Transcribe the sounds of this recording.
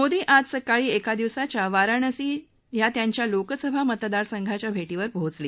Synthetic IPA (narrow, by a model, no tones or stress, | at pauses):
mod̪iːʔad͡zsəkaɭiːekad̪iʋsat͡ɕjaʋaɾəɳəsiː | jat̪jaɲt͡ɕjalokəsəbʱamət̪d̪aɾsəŋɡʱat͡ɕjabʱeʈiːʋəɾbʱod͡zliː